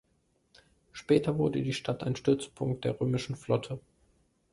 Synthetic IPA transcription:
ʃpɛːtʰɐvʊɐdədiːʃtʰata̰ɪnʃtʏɐt͡spʰʊŋk̚t̚d̥eːɐʁøːmɪʃn̩flɔtʰə

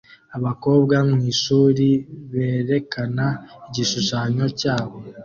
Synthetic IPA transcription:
aβako̞ːβɡamŋiːʃuːɾiβe̞ːɾe̞kanaiɟiʃuʃaɲo̞caːβo̞

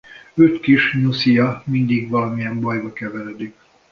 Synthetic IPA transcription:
øtkiʃɲusijɒmind̪iɡʋɒlɒmijɛmbɒjbɒkɛvɛlød̪ik

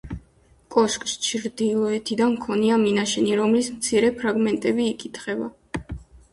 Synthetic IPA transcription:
kʼɔʃkʼst͡ʃʰɾd̪ilˠɔɛt̪ʰid̪anmkʰɔniaminaʃɛniɾɔmlismt̪sʰiɾɛpʰɾaɡmɛnt̪ʼɛbiːkʼit̪ʰχɛba

